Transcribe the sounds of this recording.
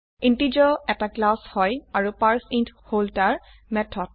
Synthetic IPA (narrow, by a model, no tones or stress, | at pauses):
intid͡ʒɔɛtaklashɔjaɹupaɹsintʰholtaɹ | mɛtʰɔt̚